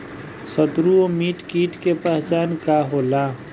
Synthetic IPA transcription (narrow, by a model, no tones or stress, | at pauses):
səd̪ɾuomiːʈkiːʈkepaːt͡ʃaːnkaɦola